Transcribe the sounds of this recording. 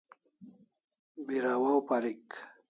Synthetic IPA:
biɾawawpaɾik

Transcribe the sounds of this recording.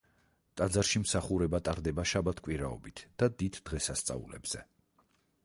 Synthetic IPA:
t̪ʼad̪zaɾʃimsaχuɾɛbat̪ʼaɾd̪ɛbaʃabat̪ʰkʼwiɾaɔ̰bit̪ʰd̪̥ad̪id̪d̪̥ʁɛsast̪sʼa̰ṵlɛ̰bz̥ɛ

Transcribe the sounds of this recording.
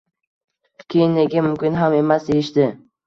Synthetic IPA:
kʲʰejɪnːeɡʲɪmʊmkʲɪnɦame̞masd̪ejɪʃd̪ɪ

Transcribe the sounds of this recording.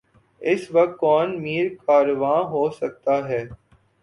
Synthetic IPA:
ɪsʋɐk̚t̪̚kɔːnmiːɾkaːɾʋãːɦoːsɐk̚t̪aɦɛː

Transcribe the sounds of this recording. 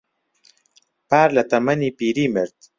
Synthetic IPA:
paːɾlɐt̪ɐmɐniːpiːɾiːməɾd̪

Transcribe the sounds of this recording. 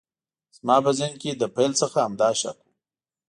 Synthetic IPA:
z̥mɑːbazinked̪əpejlsəxaːmd̪ɑːʃa̰ku

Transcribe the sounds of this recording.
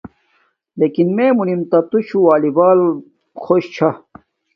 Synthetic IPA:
leːkinmẽːmunimt̪ɐt̪uɕʰuwaːlibaːl | xoːɕt͡ɕʰa

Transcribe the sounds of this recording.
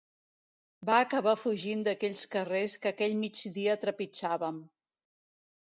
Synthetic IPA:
baːkəβ̞afuʒind̪əkɛʎskəreskəːkɛʎmid͡ʒd̪iəːt̪ɾəpit͡ʃaβəm

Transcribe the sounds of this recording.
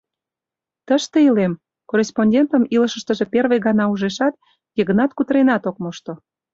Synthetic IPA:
t̪əʃt̪eilem | korʲesponʲdʲent̪ə̆milə̆ʃə̆ʃt̪ə̆ʒeperβeɣɑnɑuʒeʃɑt̪̚ | jeɣə̆nɑt̪kut̪əɾenɑt̪ok̚moʃt̪o

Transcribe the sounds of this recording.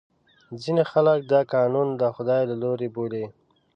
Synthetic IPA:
zinexalək̚d̪ɑkɑnund̪əxʊd̪ɑjlaloɾebole

